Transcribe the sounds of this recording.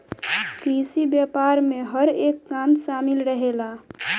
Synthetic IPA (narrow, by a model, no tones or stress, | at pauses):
kiːsibjaːpaːɾmẽɦəɾeːkːaːmʃaːmɪlɾəɦeːla